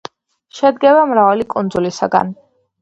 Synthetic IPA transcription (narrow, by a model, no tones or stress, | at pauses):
ʃɛd̪ɡɛvamɾavalikʼund̪zulisa̰ɡa̰n